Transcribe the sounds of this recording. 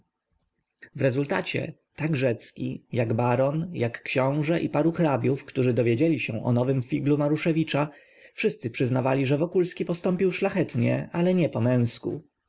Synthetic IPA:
vɾɛzult̪at͡ɕɛ̰ | t̪aɡʐɛt̪skʲḭjaɡbaɾɔnjakːɕɔ̃w̃ʐɛʔipaɾuxɾabʲjufkt̪uʐɘd̪ɔvʲjed͡ʑelʲiɕɛ̃ʔɔ̰nɔvɘmfʲiɡlumaɾuʂɛvʲit͡ʂa | fʂɘst̪sɘpʂɘznavalʲiʐɛvɔkulskʲipɔst̪ɔmpʲiwʂlaxɛt̪ɲɛ̰ʔalɛɲɛpɔmɛ̃w̃skṵ

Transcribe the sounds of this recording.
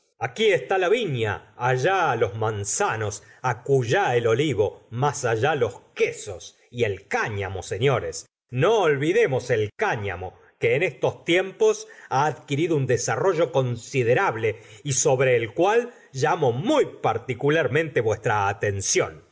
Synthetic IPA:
akiest̪alaβiɲa̰ːʒalo̞zmansanosakuʒaelo̞liβo̞masaʒalo̞skeso̞s | ie̞lkaɲa̰moseɲo̞ɾes | no̞ːlβiðe̞mo̞selkaɲa̰mo̞ | keːnest̪o̞st̪jempo̞saːðkiɾiðound̪esaro̞ʒo̞ko̞nsiðe̞ɾaβle̞iso̞βɾe̞ːlkwal | ʒamo̞mujpaɾt̪ikulaɾmẽnt̪e̞βwe̞st̪ɾaːt̪e̞nsjo̞̰n

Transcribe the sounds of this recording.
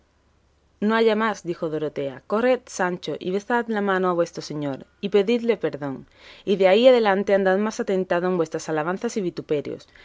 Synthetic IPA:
noaʝamazd̪ixo̞ðoɾot̪e̞ako̞ret̪̚sant͡ʃo̞ʔḭβ̞e̞sθat̪lamãnoaβwe̞st̪ɾose̞ɲo̞ɾipe̞ðid̪le̞pe̞ɾðo̞ŋ | iðeaiað̞e̞lant̪e̞and̪aðmasat̪ẽ̞nt̪aðoeŋbwe̞st̪ɾasalaβ̞an̟θasiβ̞it̪upe̞ɾjo̰s

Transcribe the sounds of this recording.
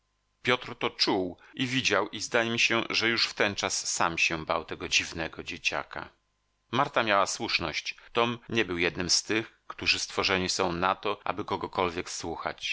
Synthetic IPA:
pʲjɔt̪ɾt̪ɔt͡ʂuwʔivʲid͡ʑawʔizd̪ajɛmʲiɕɛʐɛjuʂft̪ɛnt͡ʂasːamɕɛba̰wt̪ɛɡɔd͡ʑivnɛɡɔd͡ʑet͡ɕa̰ka̰ | maɾt̪amʲjawaswuʂnɔɕt͡ɕt̪ɔmɲɛbɘwjɛd̪nɘmst̪ɘxkt̪uʐɘst̪fɔʐɛɲisɔ̃w̃nat̪ɔʔa̰bɘkɔɡɔkɔlvʲjɛkswuxa̰t͡ɕ

